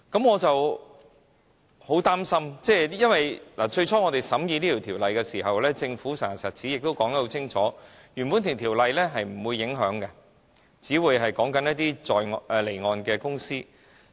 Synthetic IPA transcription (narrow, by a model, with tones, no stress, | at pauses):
kɐ˨˥mŋɔː˨˧t͡sɐ˨w | ho˨˥wt̪aː˥msɐ˥mt͡sɛː˥˩jɐ˥nwɐ˨jlaː˨˩t͡ʃɵ˧ɥt͡ʃʰɔː˥ŋɔ˨˧t̪e˨jsɐ˨˥mjiː˧niː˥t̪ʰi˨˩wt̪ʰiː˨˩wlɐ˨jkɛ˧siː˨˩ɦɐ˨wlɛː˥t͡sɪ˧ŋfuː˨˥sɛː˨˩ŋɐ˨˩sɐ˨˩t̚t͡sʰiː˨˥jɪ˨k̚t̪o˥wkɔː˨˥ŋt̪ɐ˥ho˧˥t͡sʰɪ˥ŋt͡ʃʰɔː˨˥ | jy˨˩npu˨˥nt̪ʰɪ˨˩t̪ʰiː˨˩wlɐ˨jlɛː˥ɦɐ˨jm̩˨˩wuː˨˧jːɪ˨˥ŋɦœː˨˥ŋkɐ˧ | t͡siː˨˥wuː˨˧jɦɐ˨jkɔː˨˥ŋkɐ˨˥njɐ˥t̚t̪iː˥t͡sɔː˨jŋʔɛ˨˧le˨˩jŋɔː˨˧nkɛː˧kʊ˥ŋsiː˥